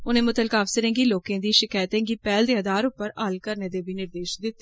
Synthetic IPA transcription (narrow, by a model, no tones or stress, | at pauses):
ʊnẽːmʊt̪əlkaːfsəɾẽːŋɡiːloːkẽːd̪iːʃɪkaːjt̪ẽːŋɡiːpɛːld̪eːəd̪aːɾʊpːəɾəlkəɾneːd̪eːbiːnɪɾd̪eːʃd̪ɪt̪ː